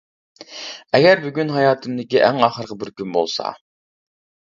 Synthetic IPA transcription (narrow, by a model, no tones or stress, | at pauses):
ɛɡʲɛɾbyɡʲynɦɑjɑːt̪ʰɨmd̪ɪkʲiʔæŋɑːχəɾʁəbɪɾkʲynbo̰lˠsɑ̰